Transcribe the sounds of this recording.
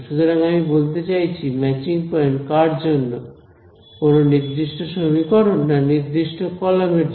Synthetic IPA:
ʃut̪oɾaŋamibolt̪et͡ɕajt͡ɕʰimɛt͡ɕiŋpɔenkaɾd͡ʑonːo | kononiɾd̪iʃʈoʃobʱikɔɾunːaniɾd̪iʃʈokɔlameɾ

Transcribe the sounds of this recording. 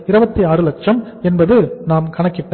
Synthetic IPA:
ɪɾɯbɐt̪ːiaːɾɯlɐʈ̚t͡ʃɐm | ɛnbɐðɯnaːmkɐɳɐkːɪʈːɐ

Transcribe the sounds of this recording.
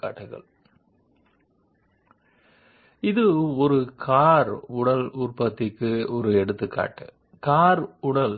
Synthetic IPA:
a̰ːʈːɯɣɐ̰ɭ | ɪðɯɔɾɯkʰaːɾʊɽɐluːrpɐt̪ːɪkːɯɔɾɯɛɽɯt̪ːɯkːa̰ːʈːɯ̰ | kaːɾʊɽɐl

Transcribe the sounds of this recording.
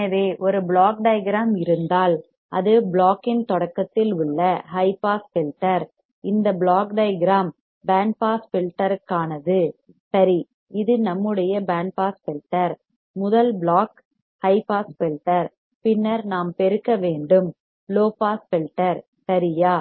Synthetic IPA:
ɐʋeːʔɔɾɯbɭaːk̚ɖɐjɡɾaːmɪɾɯnd̪aːl | ɐðɯbɭaːkːɪnt̪ɔɽɐkːɐt̪ːɪlʊɭːɐhɐɪpaːsfɪlʈːɐɾ | ɪnd̪ɐbɭaːkɖɐɪjɡɪɾaːm | baːɳɖ̚paːsfɪlʈːɐɾɯkːaːnɐðɯ | sɐɾi | ɪðɯnɐmːɯɽɐjɐbaːɳɖpaːsfɪlʈːɐɾ | mʊðɐlbɭaːk | hɐɪpaːsfɪlʈːɐɾ | pɪnːɐɾnaːmpɛɾɯkːɐʋeːɳɖɯm | loːpaːsfɪlʈːɐɾ | sɐɾɪjaː

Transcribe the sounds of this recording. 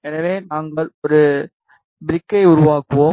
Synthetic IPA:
ɛnɐʋeːnaːŋɡɐɭɔɾɯ | bɪɾɪkːɐɪʊɾʊʋaːkːɯʋoː

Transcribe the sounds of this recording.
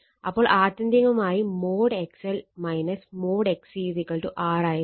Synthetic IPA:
ɐpːoːɭʔaːt̪ːɐnd̪iŋɡɐmaːjimoːɖɛksɛlmɐɪnɐsmoːɖeksiːsikːɐɭʈuʔaːɾaːjɐ

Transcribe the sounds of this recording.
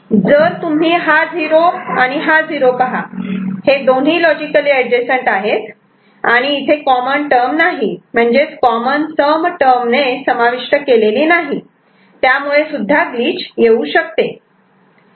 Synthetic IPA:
d͡zəɾt̪um̤iːɦad͡zʱiɾoaɽ̃iɦad͡zʱiɾopəɦahed̪on̤iːlɔd͡ʑikəliːəd͡ʑesəɳʈaɦet̪ | aɽ̃iːt̪ʰekɔmənʈəɾmnaɦim̤əɳd͡ʑet͡skɔmənsəmʈəɾmnesəmaʋiʂʈəkeleliːnaɦi | t̪jamuɭesud̪ʱːaɡliːt͡ɕjeuɕək̚t̪e

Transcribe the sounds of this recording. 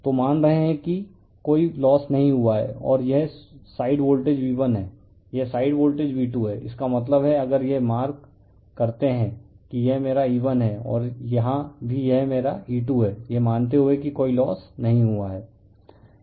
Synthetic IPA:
t̪omaːnɾɐɦẽɦɛ̃ki | koːilɔːsnɐɦĩɦuaɦɛ̰ɔ̰ːɾjɛɦsaːɪɖboːlʈeːd͡ʒʋiːʋənɦɛː | jɛsaːɪɖboːlʈeːd͡ʒbiːʈuɦɛːʔɪ̰skamɐt̪̬ləbɦɛɐɡəɾjemaːɾk | kɐɾt̪eɦɛ̃ | kijɛɦmeːɾaiːʋənɦɛːɔ̰ːɾjɐɦãbʱijɛɦmeːɾaiːʈuɦɛːjemaːnt̪eɦuekikoːilɔːsnɐɦĩɦuaɦɛː

